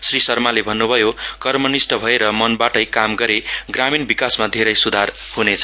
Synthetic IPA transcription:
srisʌrmalebʱʌnːubʱʌjokʌrmʌnisʈʌbʱʌeɾʌmʌnbaʈʌjkamɡʌɾeɡraminbikasmad̪ʱeɾʌjsud̪ʱar | hunet͡sʰʌ̥

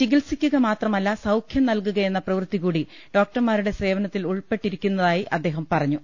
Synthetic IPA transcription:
t͡ɕiɡilsikʲːuɣɐmaːt̪rɐmɐlːɐsɐwkʰjɐmnɐlk̬uɣɐje̞nːɐprɐʋrt̪iɣuːɽi | ɖ̥o̞ːk̚ʈɐmaːɾuɽe̞se̞ːʋɐnɐt̪ːiluɭpe̞ʈːiɾikʲːunːɐðaːjiʔɐd̪ːe̞ːɦɐmpɐrɐɲːu

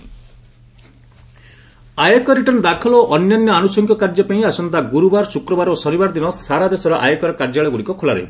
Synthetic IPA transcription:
ajakɔɾiʈɔnd̪akʰɔlɔʔɔnjɔnjɔanusɔŋkɔkaɾd͡ʒɔpaĩasɔnt̪aɡuɾubaɾsukɾɔbaɾosɔnibaɾd̪inɔsaɾad̪esɔɾɔʔa̰jekɔɾɔkaɾd͡ʒaɭɔɡuɽikɔkʰola̰ɾɔ̰j̰

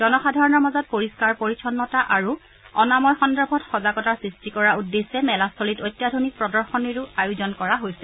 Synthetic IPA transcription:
d̥ɔnɔxadʱaɹɔnɔɹmazɔt̚poɹiskaɹpoɹit͡ʃʰɔnːɔtaʔaɹu | ɔnamɔɹxɔndɔbʱɔtxɔzakɔtaɹsɹistikɔɹaudːesɛmɛlasolitojtːjadʱunik̚pɹɔdɔɹxɔniɹuajuzɔnkɔɹaɦojsɛ

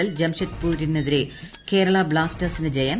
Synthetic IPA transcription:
ɐld͡ʑɐmɕɐtpuːɾinːeðiɾe | ke̞ːɾɐɭɐbɭaːstɐrsinɨd͡ʑejɐn

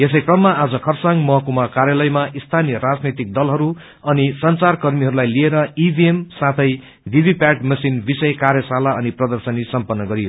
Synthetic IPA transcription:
jes̬ʌjkrʌmːaad͡zʌkʰʌrsaŋɡmʌɦʌkumakaɾjalʌjmaʔist̪ʰanijʌɾad͡znet̪ik̚d̪ʌlɦʌɾu | ʌnisʌnt͡sarkʌrmiɦʌɾulajlieɾʌibʱiemsãt̪ʰʌj | bʱibʱipaʈmʌsinbisʌjkarjʌsalaʌniprʌd̪ʌrsʌnisʌmpʌnːʌɡʌɾijo

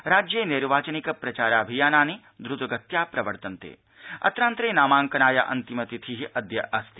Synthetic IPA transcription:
ɾaːd͡ʒjeːniɾʋaːt͡ʃɐnikɐpɾɐt͡ʃaːɾaːbʱijaːnaːni | d̪ɾut̪ɐɡɐt̪jaːpɾɐʋɐɾt̪ɐnt̪ḛː | ɐ̰t̪ɾaːnt̪ɾeːnaːmaːŋkɐnaːjɐ̰ʔɐ̰nt̪imɐt̪it̪ʰiɦiʔɐd̪jɐʔɐst̪i̥

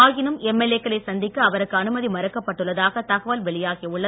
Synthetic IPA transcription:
aːɣɪnɯmɛmːeleːkːɐɭɐɪsɐnd̪ɪkːɯɐʋɐɾɯkːɯɐnɯmɐðimɐɾɐkːɐpːɐʈːɯɭːɐðaːɣɐt̪ɐɣɐʋɐlʋɛɭɪjaːɣiʊɭːɐ

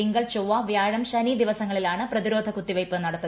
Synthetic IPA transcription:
iŋɡɐɭt͡ɕoʋːaʋjaːɻɐmɕɐniːd̪iʋɐsɐŋːɐɭilaːɳɨprɐðiɾo̞ːd̪ʱɐkut̪ːiʋɐjpːɨnɐɽɐt̪ːɐ

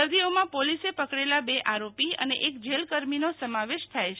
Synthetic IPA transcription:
əɾd̪iomãpolisepəkɽelabeʔaɾopiə̰nḛʔekd͡ʒelkəɾminosəmaʋeʃt̪ʰajt͡ʃ

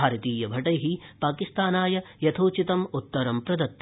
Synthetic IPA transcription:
aːɾɐt̪iːjɐbʱɐʈɐjɦipaːkist̪aːnaːjɐjɐt̪ʰoːt͡ʃit̪ɐmut̪ːɐɾɐmpɾɐd̪ɐt̪ː

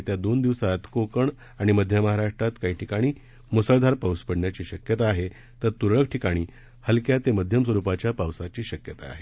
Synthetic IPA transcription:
t̪jad̪ond̪iʋsat̪kokəɳ | aɽ̃iməd̪ʱjəməɦaɾaʂʈɾat̪kaɦiːʈʰikaɽ̃iː | musəɭd̪ʱaɾpawspəɽɳjat͡ɕiːɕəkjət̪aːɦe | t̪əɾt̪uɾɭək̚ʈʰikaɽ̃iː | həlkjat̪eməd̪ʱjəms̬ʋəɾupat͡ɕjapawsat͡ɕiːɕəkjət̪a̰ːɦe

